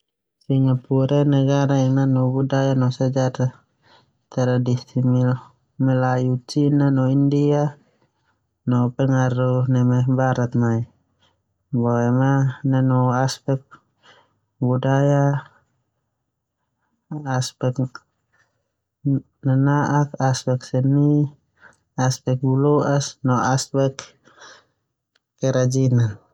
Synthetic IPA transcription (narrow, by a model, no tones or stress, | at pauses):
siŋapuɾɛnɛɡaɾaɛnanɔbudajanɔsad͡ʒaɾa | t̪ɛɾadisimil | mɛlajut͡ʃinanɔindia | nɔpɛŋaɾuhnɛmɛbaɾat̪̚mai | bɔɛmananɔaspɛk̚ | budaja | spɛk̚ | nanaʔakaspɛk̚sɛni | aspɛk̚bulɔʔasnɔaspɛk | kɛɾad͡ʒina